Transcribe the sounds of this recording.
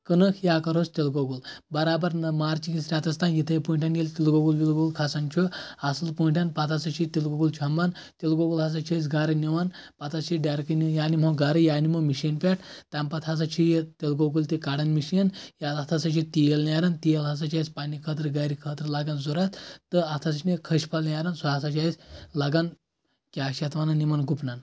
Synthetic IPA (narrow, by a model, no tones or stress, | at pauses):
kənɨkʰjaːkɐɾɦost̪elɡoɡulbɐɾaːbɐɾnɐmaːɾt͡ʃikisɾʲat̪ɐst̪anjit̪ʰɐjpuːɳʈʲʰanjelʲt̪ilɡoɡulʋilɡoɡulkʰasɐnt͡ʃʰuasɨlpuɳʈʰʲanpat̪ʰasɐt͡ʃʰit̪ilɡoɡult͡ʃʰɐmban | t̪ilɡoɡulɦɐs̬ɐt͡ʃʰes̬ɡaːɾɐniʋanpat̪ʰɐst͡ʃʰiɖaɾkɐnijaːnimowɡaːɾɐjaːnimomiʃiːnpʲeʈ̚ʰt̪ampat̪ʰɦas̬at͡ʃʰijt̪elɡoɡult̪ikaɽɐnmiʃinjaat̪ʰasat͡ʃʰit̪ijelnʲaɾɐnt̪ijelɦas̬at͡ʃʰajspanikʰəːt̪̬ɾɡaɾikʰəːt̪ɾlaɡanzoɾat̪t̪ːəat̪ʰas̬ɐnekʰəʃpʰalnʲaɾɐnsuɦasat͡ʃʰaislaɡan | kʲakʃat̪ʋananimanɡupnan